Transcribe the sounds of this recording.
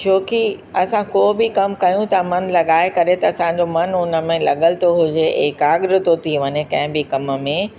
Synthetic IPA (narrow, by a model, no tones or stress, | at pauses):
t͡ɕʰoːki | ɐsãkoːbɪkɐmkɐjũt̪ɐmɐnlɐɠaːɪkɐɾet̪ɐɐsãːɲd͡ʑomɐnʊnə̆mẽlɐ̰ɠəlɪt̪ʰoɦʊd͡ʑeḛːkaːɠɾɪt̪ot̪ʰiʋɐɲekɐ̃ɦɪ̃bɪkɐmmẽ